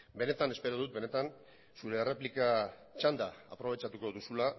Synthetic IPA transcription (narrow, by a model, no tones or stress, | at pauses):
be̞ne̞t̪ane̞spe̞ɾoðut̪̚be̞ne̞t̪an | suɾe̞re̞plikat͡ʃand̪a̰ːpɾo̞βe̞t͡ʃat̪uko̞ðusula